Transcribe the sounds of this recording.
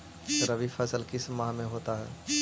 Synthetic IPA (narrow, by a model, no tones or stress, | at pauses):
ɾəʋifɐsəlkɪsmaːɦmẽɦoːt̪aɦɛ̰ː